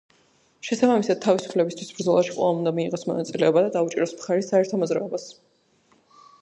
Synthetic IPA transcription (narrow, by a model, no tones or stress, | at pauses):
ʃɛsabamisad̪̥̚t̪ʰːavisu̥pʰlɛbist̪ʰwisbɾd̪zɔlˠaʃi̥kqʼwɛ̰lˠaund̪amiːʁɔsmɔ̰nat̪sʼilɛɔbad̪ad̪aut͡ʃʼḭɾɔsmχaɾisːaɛɾt̪ʰɔmɔzɾaɔbas